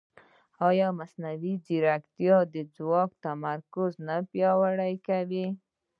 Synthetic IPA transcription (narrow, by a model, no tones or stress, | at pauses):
ɑjɑmasnawid͡ʒiɾakt̪jɑd̪əd͡zwɑk̚t̪amaɾkʊznapjɑwaɽajkawi